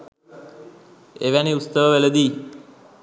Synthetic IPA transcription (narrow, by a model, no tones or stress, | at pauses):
eʋæniust̪əʋəʋeləd̪iː